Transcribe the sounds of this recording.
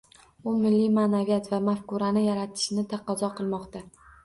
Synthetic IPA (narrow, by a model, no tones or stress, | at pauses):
ʊmɪlːijmanavijat̪vamafkʊɾanɪjaɾat̪ʰɪ̥ʃɪnɪt̪ʰɑqɒzɒqʰɨlˠmɒqt̪a